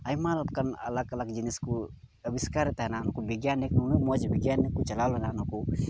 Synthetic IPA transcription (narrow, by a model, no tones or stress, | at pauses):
ɐjmalb̚kənɐ̰lakɐlakd͡ʒinisku | ɐbiskaɾɛt̪ɦɛnankubiɡjanːiknunumɔd͡ʒbiɡjanːikːut͡ʃɐlalɦɛnanuku